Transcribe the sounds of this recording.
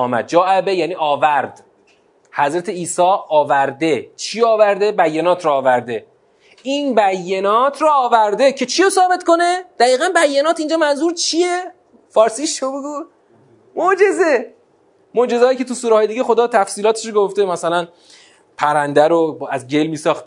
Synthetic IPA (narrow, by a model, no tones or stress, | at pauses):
mæ̰d̪̚d͡ʒɒːʔebejæːniːɒːvæɾd̪ | hæzɾæt̪ʰe̞iːsɒːɒːvæɾd̪e̞t͡ʃʰiːɒːvæɾd̪e̞bæjːenɒːt̪ʰɾɔːvæɾd̪e̞ | inbæjːenɒːt̪ʰɾɔːvæɾd̪e̞cʰe̞t͡ʃʰijosɒːbe̞t̪ko̞ned̪̥æɣiːɣænbæjːenɒːt̪ind͡ʒɒːmænzuːɾt͡ʃʰije | fɒːɾsiːʃobeɡuː | mod͡ʒe̞ze | mod͡ʒe̞zɒːjiːcʰe̞t̪ʰusuːɾeɒːjed̪iːɟexo̞d̪ɒːt̪ʰæfsiːlɒːt̪ʰe̥ʃoɡoft̪emæsælæn | pʰæɾænd̪æɾoæzɟe̞lmiːsɒːχt̪